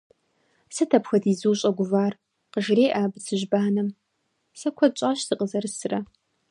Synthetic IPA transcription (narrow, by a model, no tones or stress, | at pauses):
sɨtʰɐpxɐdiːzuːɕʼɐɡʷʊvaːr | qəʒreːʔaːbsɨʒbaːnɐm | sɐkʷʰɔt͡ʃʷʼaːɕsɨqʼəzɐrɨsɨrɐ